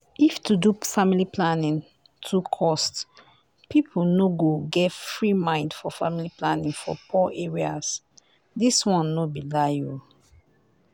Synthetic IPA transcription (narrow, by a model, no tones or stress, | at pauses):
iftʰudufamiliplanĩn | tʰukʰɔst | pʰipʰunoɡoɡɛtfɹimãɪ̃ndfɔfamiliplanĩŋfɔ̰pʰɔʔeɹias | diswɔ̃nːobilaju